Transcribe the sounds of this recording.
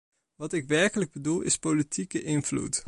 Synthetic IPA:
ʋɑtɪkʋɛɹkələɡ̚bədulˠɪ̰spolitʰikəʔɪnvlṵt

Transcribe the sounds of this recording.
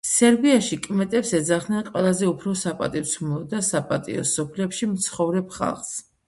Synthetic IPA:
sɛɾbiaʃikʼmɛt̪ʼɛpsɛd̪zaχd̪nɛnqʼwɛlˠazɛupʰɾɔsapʼa̰t̪ʼivt̪sʰmˠɔd̪asapʼa̰t̪ʼḭɔ̰sɔpʰlɛpʃimt̪sʰχɔvɾɛpχa̰lˠχs

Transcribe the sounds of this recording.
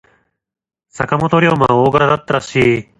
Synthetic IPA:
sakamot̪o̞ɾʲjo̞ːmaoːɡaɾad̪at̪ːaɾaɕiː

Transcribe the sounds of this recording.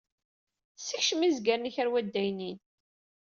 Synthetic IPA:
siçʃəmizɡæɾniçæɾwæd̪ːæjnin

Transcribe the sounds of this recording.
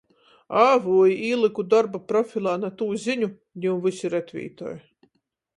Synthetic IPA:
avuːjiiːlˠɨkud̪ɔɾbapɾɔfʲilˠaːnat̪uːzʲiɲʲu | nʲiwmvɨsiɾɛt̪vʲḭːt̪ɔ̰ːj

